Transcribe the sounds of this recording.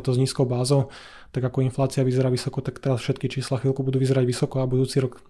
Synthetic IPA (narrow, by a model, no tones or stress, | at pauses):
t̪ɔzɲiːskɔʊbaːzɔʊ | t̪aɡakɔinflaːt͡siaʋizɛɾaːʋisɔkɔt̪akt̪ɛɾasfʃɛt̪kit͡ʃiːslaxʋilkubud̪uːʋizɛɾaɟʋisɔkɔabud̪uːt͡siɾɔk